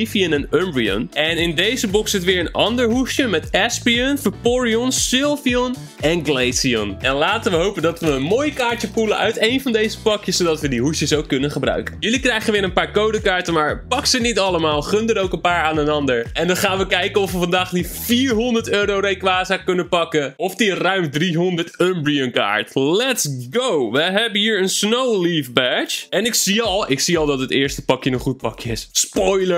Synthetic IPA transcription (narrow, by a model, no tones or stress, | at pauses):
fiənɛnømbriə̰nʔɛnɪndejzəbɔksətʋɪːɹənɑ̰ndəɹɦusjəmɛtɛspiənfəpɔɹiɔnsɪlˠviɔn | ɛnɡlejsiɔ̰nʔɛnlaːtənʋəɦowpəndɑtʋəːnmoːjkaːɹtjəpulənʔœ̰ɥtejnvɑndejzəpɑkjəsodɑtʋədiɦusjəsowkːɵnənχəbrœ̰ɥkənjɵlikrɛjχənʋɪːɾənpaːɹkowdəkaːɹtəmaːɹpɑksənitɑləmaːlˠχɵndəɾowkənpaːɹaːnənɑndəɹʔɛndɑnχaːnʋəkɛjkənɔfʋəfɑndaːχliffiːɹɦɔndəɹtøːɾowɾejkʋaːzaːkɵnənpɑkəɔfdirœɥmdriɦɔndəɹtœmbɹiənka̰ːɹtlɛtsɡowʋəɦɛbənɦiːɹənsnowlifbɛt͡ʃɛnɪksiɑlˠɪksiɑlˠdɑtɦətɪːɹstə̥pɑkjənəχut̚pɑkjəɪsspɔjləɹ